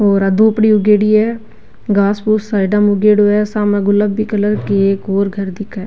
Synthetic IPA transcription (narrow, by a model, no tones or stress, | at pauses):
oːɾəd̪opɽiʊɡeːɽiɦɛː | ɡaːspuːsːaːɪɖəmʊɡeːɖoɛːsaːmɛ̃ɡʊlːəbːikələɾkeeːkoːɾɡʱəɾd̪ɪkʰɛː